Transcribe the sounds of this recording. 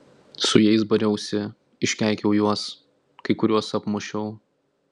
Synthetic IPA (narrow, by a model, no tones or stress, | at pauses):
sʊjɛɪs̬bɐɾʲɛʊsʲɪ | ɪʃʲkʲæˑɪkʲɛʊjuɔs | kɐɪkʊɾʲuɔsɐpmʊʃʲɛʊ